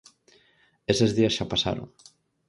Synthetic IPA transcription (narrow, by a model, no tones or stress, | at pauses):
esezðiasʃapasa̰ɾo̰ŋ